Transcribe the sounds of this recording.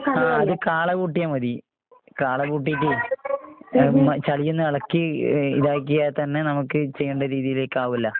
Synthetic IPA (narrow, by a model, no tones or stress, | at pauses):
aːɐðɨkaːɭɐkuːʈːijɐamɐði | kaːɭɐkuːʈ̬ːijʈ̬ːi | mɐt͡ɕɐɭijːunːɨɐɭɐkːiḭðaːjk̬ʲːijat̪ɐnːe̞nɐmukːɨt͡ɕe̞jːuɳɖɐɾiːðijile̞ːkːaːʋilːɐ